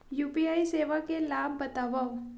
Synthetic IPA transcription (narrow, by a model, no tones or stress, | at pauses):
jupiaiseʋakelabʱːət̪aʋaʋ